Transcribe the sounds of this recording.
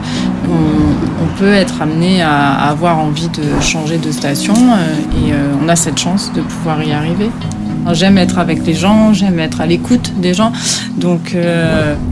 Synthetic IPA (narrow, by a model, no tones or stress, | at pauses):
ɔ̃ | ɔ̃pøɛt̪χamnea̰ːvwaʁɑ̃vid̪əʃɑ̃ʒed̪əst̪asjɔ̃øeøɔ̃nasɛt̪ʃɑ̃sd̪əpuvwaʁiaʁive | ɛ̃ʒɛmɛt̪χavɛkleʒɑ̃ʒɛmɛt̪χalekut̪d̪eʒɑ̃ | d̪ɔ̃kʰø